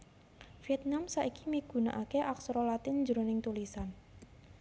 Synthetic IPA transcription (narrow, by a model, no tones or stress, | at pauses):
fiɛt̪̚namsaʔiki̥miɡ̥ṳna̰ʔakeʔaksɾolat̪ɪnd͡ʒəɾonɪŋt̪ulisan